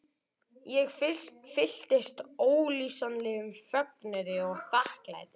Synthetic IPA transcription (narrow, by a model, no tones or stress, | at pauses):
jɛɣfɪl̥t̪ɪst̪oːwlisanlɪʏmfœk̚nʏɾɪɔɣθahkla̰ːjt̪ɪ